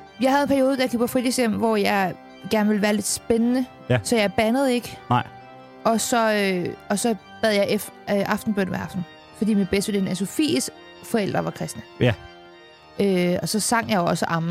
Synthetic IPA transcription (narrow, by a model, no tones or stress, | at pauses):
jɑ̈ɪɦæðˠenpʰæɐjo̝ːð̞ˠd̥æjkʰyb̥ɐfʁid̥isjem̰ʋɒjɑɪ | ɡ̥æɐnəʋe̝lʋæːɐle̝d̥sb̥enənə | sɒ̽jɑ̈ɪb̥ænəð̞̩ˠe̝ɡ̥ə | ɒ̽sɒ̽øɒ̽sɒ̽b̥æð̞ˠjɑ̈ɪʔeføʔɑ̈fd̥n̩b̥øn̰ʋeɑ̈fd̥n̩ | fɒ̽d̥ḭːminb̥esd̥ʋeldenæso̝fḭːsɡ̥ | fɒ̽el̰d̥ʁɐʋɑ̈kʰʁɛsd̥næ | øɒ̽sɒ̽sɑ̈ŋ̰jɑ̈joɒ̽səʔɑ̈m